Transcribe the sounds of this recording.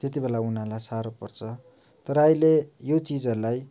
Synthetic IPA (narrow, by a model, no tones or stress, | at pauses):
t̪jet̪̬ibelaun̤alajsaɾopʌrt͡sʰʌ | t̪ʌɾʌʌjlejot͡sid͡zʌɾulaj